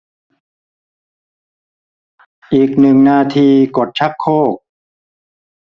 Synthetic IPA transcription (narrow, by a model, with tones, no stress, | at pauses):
ʔiː˨˩k̚nɯ˨˩ŋnaː˧t̪ʰiː˧ko˨˩t̪̚t͡ɕʰa˦˥kʰːoː˥˩k̚